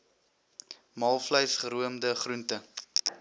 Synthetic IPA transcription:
mɑlˠfləjsχəɾuəmdəχruntə

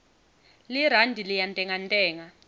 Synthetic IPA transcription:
liɾ̤andʱilijantʼɛŋantʼɛːŋa

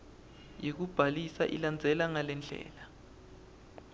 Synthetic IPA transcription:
jik̬ub̥ʱalisa̰ʔḭland͡zʱɛlaŋalɛnd͡ɮʱɛ̰ːla

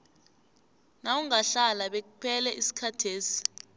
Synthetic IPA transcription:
nawuŋaɬalaɓek̬upʰɛlɛʔisi̥kʰatʰeːsi̥

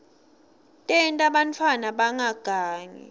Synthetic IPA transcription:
tʼɛntʼaɓantʰwanaɓaŋaɡ̥ʱaːŋɛ̰

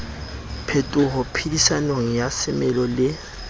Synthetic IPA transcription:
pʰetʼʊɦʊpʰidisanoŋ̩jasɪmɛlɔlɪ

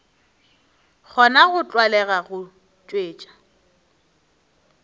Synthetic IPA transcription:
k͡xʰɔnaɣʊt͡ɬʼwalɛɣaɣʊ | t͡ʃʼweːt͡ʃʼḁ

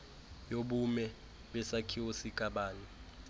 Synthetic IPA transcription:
joɓumɛ | ɓɛsakʰiwosikʼaɓaːni

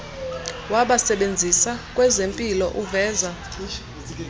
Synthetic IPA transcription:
waɓasɛɓend͡zʱisakʼwɛzempʼilɔʔuvɛːza

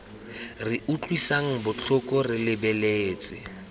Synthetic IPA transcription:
rɪut͡ɬʼwisaŋ̩bʊt͡ɬʰʊkʼɔrɪlɪbɛleːt͡sʼɪ

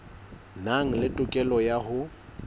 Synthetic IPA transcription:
naŋ̩lɪtʼʊkʼɛlɔjahʊ

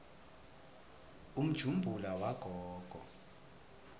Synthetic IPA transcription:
um̩d̥ʒ̥ʱumbʱulawaɡ̥ʱɔːɡ̥ʱɔ̰

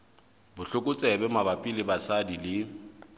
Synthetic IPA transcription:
bʊɬʊkʼʊt͡sʼɛbɛmabapʼilɪbasadilɪ

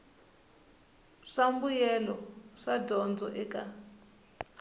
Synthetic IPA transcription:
ʂambujɛlɔʂadʱɔnd͡zɔʔɛka

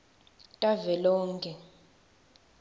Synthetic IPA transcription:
tʼavɛlɔːŋkʼɛ

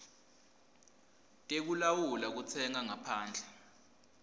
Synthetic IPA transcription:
tʼek̬ulawulak̬ut͡sʰɛŋaŋapʰaːnd͡ɮʱɛ

